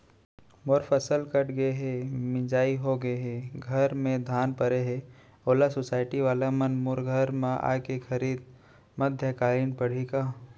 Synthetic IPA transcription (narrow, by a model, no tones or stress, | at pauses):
moɾfʰəsəlkəʈɡɐeɦemɪ̃d͡ʒaːiɦoɡəeɦeɡʱəɾmẽd̪ʱaːnpɐɾeɦe | oːlasosaːɪʈiʋaːlamɐnmʊɾɡʱəɾmãʔa̰ːkexʰɐɾiːd̪̚ | mɐd̪ʱjəkaːlɪnpɐɽ̤ikaː